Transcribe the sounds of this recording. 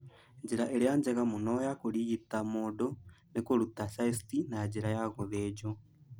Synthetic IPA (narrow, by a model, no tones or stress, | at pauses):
ɲd͡ʒiɾaʔelijaɲd͡ʒɛɣamunɔjakuliɣitamudonekuɾutasaisitinad͡ʒiɾajaɣuðed͡ʒo